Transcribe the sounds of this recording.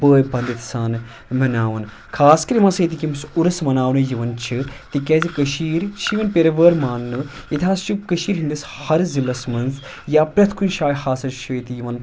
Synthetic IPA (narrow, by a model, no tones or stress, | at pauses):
bəːjbɐ̃nd̪it̪saːn | mɐnaːʋɐn | kʰaːskɐɾimɐsɐit̪ikimsuɾɐsmɐnaːʋnɨjiʋɐnt͡ʃʰɨt̪ikɛːzikɐʃiːɾt͡ʃʰiʋɐnpʲeɾɐʋəːɾmaːnːɨ | jit̪ʲiɦaːst͡ʃʰukəʃiːɾɦind̪is | hɐɾzilɐsmɐnz | jaːpɾɐt̪ʰkʰunʃaːjhaːsɐɾt͡ʃʰiit̪ijiʋɐn